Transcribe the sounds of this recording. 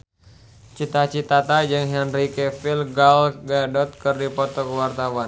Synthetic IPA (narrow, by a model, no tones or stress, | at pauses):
t͡ʃit̪at͡ʃit̪at̪ad͡ʒɨŋɦɛnrikɛfilɡalɡɛdɔt̪̚kɨrdipɔt̪ɔkəwart̪awan